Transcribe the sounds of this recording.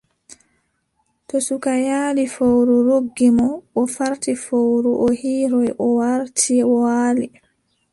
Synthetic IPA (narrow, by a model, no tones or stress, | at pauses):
tɔsukajaːlifowɾuɾoɡːimɔʔɔfaɾtifowɾuʔɔhiːɾɔjʔɔwaɾtʰiwaːli